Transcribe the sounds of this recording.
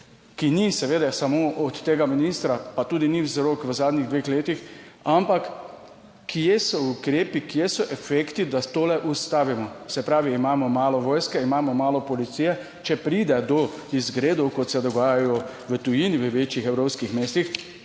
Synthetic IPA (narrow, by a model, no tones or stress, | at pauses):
kinisɛʋeːd̪ɛsamoʔɔt̪ːeːɡaminist̪ɾapat̪uːd̪inizɾokʋəzaːd̪niɣd̪ʋeːxleːt̪ixampakː | ijesɔukɾeːpikijesɔʔɛfeːkt̪id̪at̪oːlɛʔust̪aːʋimɔsɛpɾaːʋiːmaːmɔmaːlɔʋɔːjskɛimaːmɔmaːlɔpɔlit̪sijɛ | t͡ʃɛpɾiːd̪ɛd̪ɔizɡɾeːd̪ɔwkɔt̪sɛd̪ɔɡaːjajɔʋət̪ujiniʋəʋeːt͡ʃjixɛwɾoːpskixmeːst̪ix